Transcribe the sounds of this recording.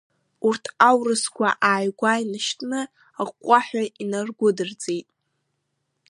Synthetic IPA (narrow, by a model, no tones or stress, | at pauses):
urtʰawrɨskʷʰaʔaːjɡʷajnɨʃtʰʼnɨ | aqʷʼaħʷᶣainarɡʷʊdɨrd͡zʼejtʼ